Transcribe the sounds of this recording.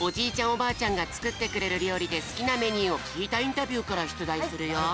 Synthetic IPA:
o̞d͡ʑiːt͡ɕãɰ̃o̞baːt͡ɕãŋɡat͡sɨ̥kɯ̟t̪ːe̞kɯ̟ɾe̞ɾɯ̟ɾʲo̞ːɾʲid̪e̞sɨ̥kʲiname̞ɲ̟iːo̞kʲʰiːt̪aĩnt̪abʲɯːkaɾaɕi̥t͡sɨd̪aisɨɾɯ̟jo

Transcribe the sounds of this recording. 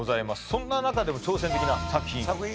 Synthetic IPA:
o̞zaimasɨ̥sõ̞nːanakad̪e̞mo̞t͡ɕo̞ːsẽ̞nt̪e̞kʲinasakɯ̟̥çʲĩ

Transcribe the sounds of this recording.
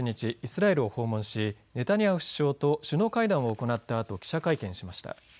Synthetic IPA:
iɲ̟it͡ɕiːsɨɾae̞ɾɯ̟o̞ho̞ːmõ̞ɰ̃ɕine̞t̪aɲ̟iḁɕi̥ɕo̞ːt̪o̞ɕɨno̞kaid̪ãɰ̃o̞ːko̞nat̪ːaːt̪o̞kʲi̥ɕakaikẽ̞ɰ̃ɕimaɕi̥t̪a̰

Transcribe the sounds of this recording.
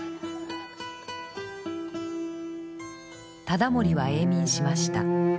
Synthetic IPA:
t̪ad̪amo̞ɾʲiβae̞ːmʲĩɰ̃ɕimaɕi̥t̪a̰

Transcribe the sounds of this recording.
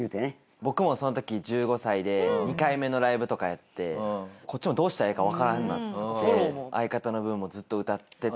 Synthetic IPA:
jɯ̟ːt̪ene | bo̞kɯ̟mo̞so̞no̞t̪̬o̞kʲid͡ʑɨːɡo̞said̪e̞ɲ̟ikaime̞no̞ɾaibɯ̟t̪o̞kajat̪ːe̞ko̞t̚t͡ɕːimo̞d̪o̞ːɕi̥t̪ae̞ːkaβ̞akaɾãnːa̰t̪ːt̪ːeʔaikat̪ano̞bɯ̟̃mːo̞d͡zɨt̪ːo̞ɯ̟t̪at̪ːe̞

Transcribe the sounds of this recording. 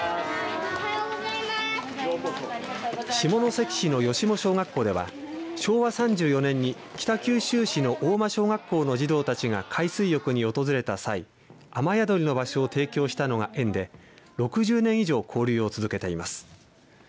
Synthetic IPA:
ɕimo̞no̞se̞kʲi̥ɕino̞jo̞ɕimo̞ɕo̞ːŋɡakːo̞ːd̪e̞βa̰ɕo̞ːβasãɲ̟d͡ʑɨːjo̞nẽ̞ɲ̟ːi | kʲi̥t̪akʲɨːɕɨːɕino̞ʔoːmaɕo̞ːŋakːo̞ːno̞ʑid̪o̞ːt̪at͡ɕiɡa̰kʰaisɨijo̞kɯ̟ɲ̟io̞t̪o̞zɨɾe̞t̪asai | amajad̪o̞ɾʲino̞baɕo̞ːt̪e̞ːkʲo̞ːɕi̥t̪ano̞ɡaʔẽ̞nd̪e̞ɾo̞kɯ̟ʑɨːnẽ̞ɰ̃iʑo̞ːkʰoːɾʲɨːo̞t͡sɨzɨke̞t̪eima̰sɨ̥

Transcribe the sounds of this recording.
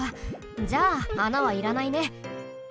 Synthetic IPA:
a | d͡ʑaːnaβaiɾanaine̞

